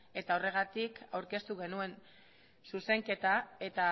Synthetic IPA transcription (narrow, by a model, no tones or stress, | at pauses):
e̞t̪ao̞re̞ɣ̞at̪ikawɾke̞st̪uɣe̞nue̞n | suse̞ŋke̞t̪ae̞t̪a